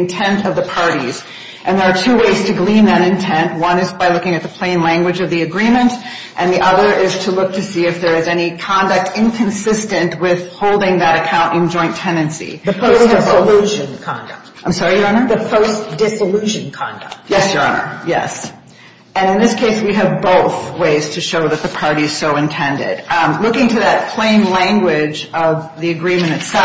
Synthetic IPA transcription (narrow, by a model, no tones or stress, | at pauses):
ntʰɛ̃ntʌvðɨpʰɑɹɾḭz̥ | ʔɨ̃nðə˞ːtʰʉweɪz̥tʰɨɡlĩnðɨɾɨ̃ntʰɛ̃nʔ̚wʌ̃nɨzbaɪlʊkɪ̃ŋɨt̪̚ðəpʰl̥ẽɪ̃nlæ̃ŋɡwɨd͡ʒʌvðiɨɡɹĩmɨ̃nt | ʔɨ̃nðiʔʌðə˞ʔɪz̥tʰəlʊk̚tʰɨsiɨfðə˞ɨzɛnikʰɑ̃ndɨk̚tʰɪ̃nkʰɨ̃nsɪstɨ̃nʔwɪð̥hoʊlˠdɪ̃ŋðɨɾɨkʰãʊ̃ntɨ̃nd͡ʒɔ̃ɪ̃ntʰɛ̃ndɨ̃nsḭðɨpʰoʊsdɪsəlʉʒɨ̃nkʰɑ̰̃ndɨk̚t̚ãɪ̃msɑɹijə˞ɑnə˞ðɨpʰoʊsd̥ɪsəlʉʒɨ̃nkʰɑ̰̃ndɨ̰k̚t̚jɛsjə˞ɑ̰nə̰˞jɛ̰s | ɨ̃nɨ̃nðɪskʰeɪswiɨvboʊθweɪz̥tʰɨʃoʊðɨt̪̚ðɨpʰɑɹɾiɨz̥soʊɨ̃ntʰɛ̃ndɪ̰dlʊkɪ̃ŋtʰɨðɨt̚pʰl̥ẽɪ̃nlæ̃ŋɡwɪd͡ʒʌvðiɨɡɹĩmɨ̃ɾ̃ɨtsɛ